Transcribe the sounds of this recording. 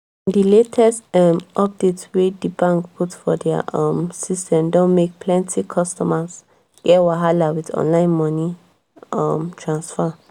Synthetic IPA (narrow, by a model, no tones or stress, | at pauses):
diletʰɛstɔmʔɔp̚detwedibãŋkpʰutfɔdɛ̰ʌmsistʰɛ̃mdɔ̃nmek̚pʰlɛ̃ntʰikʰɔstɔmas | ɛwaɦalawidɔ̰̃nlãɪ̃nmɔni | ʌmtʰɹãnsfa